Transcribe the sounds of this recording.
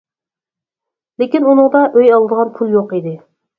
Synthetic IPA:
lekʲinunɨŋd̪ɑʔøjɑlˠɨd̪əʁɑnpʰulˠjoqid̪ɪ

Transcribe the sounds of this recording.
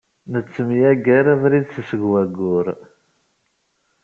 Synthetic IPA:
nət͡sːəmjæɡəɾavɾiðsəsəɡwæɡʊɾ

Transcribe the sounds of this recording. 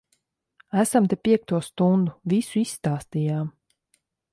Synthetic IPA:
æsamt̪ɛpʲiɛk̚t̪uɔst̪und̪uvisuisst̪aːst̪ijaːm

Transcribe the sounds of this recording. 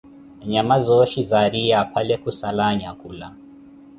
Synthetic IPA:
ɲamazɔʃizaɾijapʰalɛkusalaɲakʼula

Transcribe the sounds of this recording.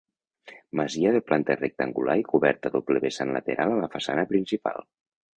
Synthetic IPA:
məziəðəplʔant̪ərek̚t̪əŋɡulʔa̰ikuβɛɾt̪aðopleβesanlə̰t̪eɾʔalalafasanəpɾinsipa̰lˠ

